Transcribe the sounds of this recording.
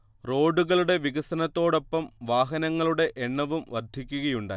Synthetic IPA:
ro̞ːɖuɣɐɭuɽe̞ʋiɣɐsɐnɐt̪ːo̞ːɽo̞pːɐmʋaːɦɐnɐŋːɐɭuɽe̞ʔeɳːɐʋumʋɐrd̪ʱikʲːuɣɐjuɳɖaː

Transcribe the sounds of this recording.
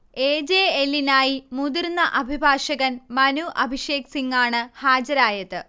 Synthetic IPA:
eːd͡ʑeːelːinaːjimud̪irnːɐʔɐbʱibʱaːʂɐɣɐnmɐnuʔɐbʱiʂe̞ːksiŋɡaːɳɨhaːd͡ʑɐɾaːjɐt̪ːɨ

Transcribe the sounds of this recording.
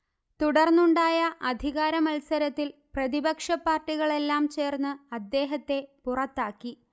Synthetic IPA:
t̪uɽɐrnːuɳɖaːjɐʔɐd̪ʱiɣaːɾɐmɐlsɐɾɐt̪ːilprɐðibɐkʂɐpːaːrʈːiɣɐɭe̞lːaːmt͡ɕe̞ːrnːɨɐd̪ːe̞ːɦɐt̪ːe̞purɐt̪ːaːkːi

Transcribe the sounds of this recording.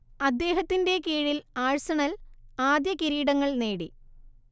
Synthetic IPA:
ɐd̪ːe̞ːɦɐt̪ːinde̞kiːɻilaːɻsɐɳɐlaːd̪jɐkiɾiːɽɐŋːɐɭneːɽi

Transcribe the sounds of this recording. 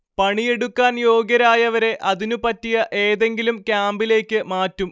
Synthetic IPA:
pɐɳije̞ɽukːaːnjo̞ːɡjɐɾaːjɐʋɐɾe̞ʔɐðinupɐtːijɐʔe̞ːðe̞ŋɡilumkʲaːmbile̞ːkʲːɨmaːtːum

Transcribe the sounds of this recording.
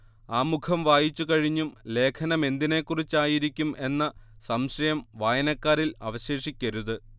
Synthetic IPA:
aːmukʰɐmʋaːjit͡ɕːukɐɻiɲːumle̞ːkʰɐnɐme̞nd̪ine̞kːurit͡ɕːaːjiɾikʲːume̞nːɐsɐmɕɐjɐmʋaːjɐnɐkːaːɾilɐ̰ʋɐɕe̞ːʂikʲːɐɾuðɨ

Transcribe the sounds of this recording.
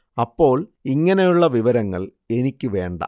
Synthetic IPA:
ɐpːo̞ːɭiŋːɐnejuɭːɐʋiʋɐɾɐŋːɐ̰ɭ | e̞nikʲːɨʋe̞ːɳɖɐ̰

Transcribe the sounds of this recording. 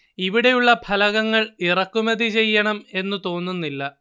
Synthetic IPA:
iʋiɽe̞juɭːɐpʰɐlɐɣɐŋːɐɭirɐkːumɐðit͡ɕe̞jːɐɳɐme̞nːut̪o̞ːnːunːilːɐ

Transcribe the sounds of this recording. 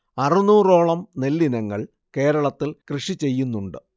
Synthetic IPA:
ɐrɨnuːro̞ːɭɐmne̞lːinɐŋːɐ̰ɭ | ke̞ːɾɐɭɐt̪ːilkrɨʂit͡ɕe̞jːunːuɳɖɨ

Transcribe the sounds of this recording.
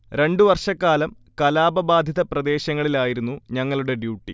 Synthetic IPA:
ɾe̞ɳɖuʋɐrʂɐkːaːlɐm | kɐlaːbɐbaːd̪ʱjiðɐprɐd̪e̞ːɕɐŋːɐɭilaːjiɾunːuɲɐŋːɐɭuɽe̞ɖjuːʈːi

